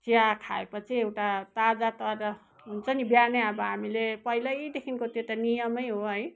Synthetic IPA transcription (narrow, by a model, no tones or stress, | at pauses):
t͡siakʰaepʌt͡sʰiewʈat̪ad͡zat̪ʌɾʌ | ɦunt͡sʰʌnibjaneʌbʌɦamilepʌilʌjd̪ekʰinkot̪jot̪anijʌmʌjɦoɦʌj